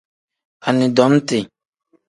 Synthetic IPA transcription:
a˨nĩ˨dɔ˨˦m˦te˨

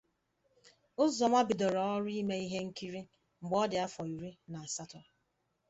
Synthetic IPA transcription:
ʊ˦zɔ˨ma˦bɪ˨dɔ˨ɾɔ˨ɔ˦ɾi˦me˦i˦ɦe˦ŋ̩˦ki˦ɾi˦ | ŋ͡m̩˨ɡ͡bɔ˦dɪ˨a˦fɔ˨i˨ɾi˦na˨a˨sa˦tɔ˨

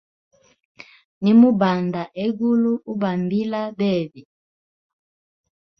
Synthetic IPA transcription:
ni˦mu˦ba˨nda˨ʔe˦ɡu˦lu˦u˦ba˨mbi˦la˦bɛ˦˨bi˨

